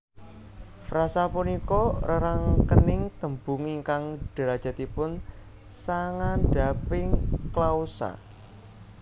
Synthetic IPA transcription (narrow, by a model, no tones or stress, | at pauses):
fɾasapunikɔrəɾaŋkənɪŋt̪əmbuŋiŋkaŋɖ̥ə̤ɾad̥ʒ̥a̤t̪ipʊn | saŋanɖ̥a̤pɪŋklausa̰